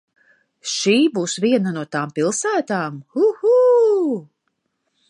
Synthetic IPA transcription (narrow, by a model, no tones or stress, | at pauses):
ʃiːbuːsvʲiɛnanuɔt̪aːmpilˠsæːt̪aːmhuhu